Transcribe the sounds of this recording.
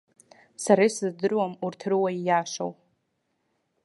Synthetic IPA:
saɾaisɨzdɨrwamurtʰrɨwaijaʂo̰w

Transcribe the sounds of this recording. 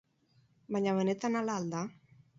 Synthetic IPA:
maɲaβenet̪analald̪a

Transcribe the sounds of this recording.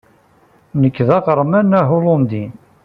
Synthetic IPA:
nəkːðæqəɾˤmænːæɦolond̪i

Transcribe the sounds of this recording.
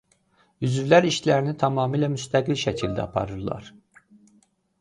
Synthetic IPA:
yzyvlæɾiʃlæɾinit̪ʰɑmɑːmiːlæmyst̪ʰæɡilʃæcʰild̪æ̰ɑpʰɑ̰ɾɯɾlˠɑ̰ɾ̥

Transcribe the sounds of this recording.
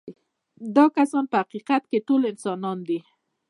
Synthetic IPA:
d̪ɑkasɑnpəhaqiqat̪keʈolɪnsɑnɑnd̪i

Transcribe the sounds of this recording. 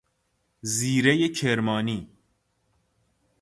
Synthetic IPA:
ziːɾejecʰeɾmɒːniː

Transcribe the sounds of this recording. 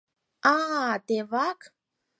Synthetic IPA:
ad̪evakə̥

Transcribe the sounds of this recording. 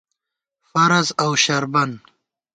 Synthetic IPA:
faɾazawʃaɾban

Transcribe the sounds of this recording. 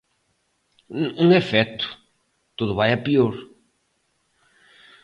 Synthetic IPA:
ũefɛt̪u̥ | t̪uðuβajɐpioɾ

